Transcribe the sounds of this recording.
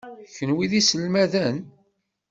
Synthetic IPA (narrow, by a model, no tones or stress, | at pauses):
çənwiðisəlmæðən